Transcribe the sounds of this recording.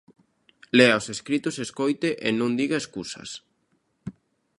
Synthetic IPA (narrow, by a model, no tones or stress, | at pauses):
lɛaoseskɾit̪oseskojt̪eʔenõŋd̪iɣaeskusɐ̰s